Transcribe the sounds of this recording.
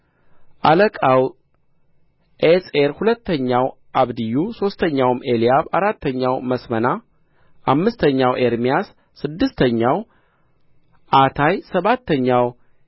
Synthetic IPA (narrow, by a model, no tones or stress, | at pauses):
ʔaləkʼaw | ʔeseɾhulət̪ːəɲːaw | ʔaβd̪ɨjːuso̞st̪ʰəɲːawme̞lijaβaɾat̪ʰːəɲːawməsməna | ʔamːɨst̪ʰəɲːawʔe̞ɾmijasː | ɨd̪ːɨst̪ʰəɲːaw | ʔat̪ʰajsəβat̪ːəɲːaw